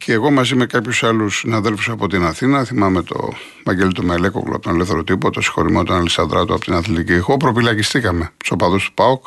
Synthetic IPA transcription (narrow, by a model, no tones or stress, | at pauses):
cʰeːɣo̞mɐzimekɐpçusɐlusinɐðe̞lfusoɐpo̞t̪inɐθinɐθimɐme̞t̪o̞̰ | vɐɟelit̪umele̞koklṵɐpt̪onleθeɾot̪ipot̪osi̥xo̞̰ɾimo̰t̪onɐlesɐnd̪ɾɐt̪uɐ̰pot̪inɐθlit̪icixopɾofilɐcist̪ikɐme̞sopɐðost̪u̥pɐok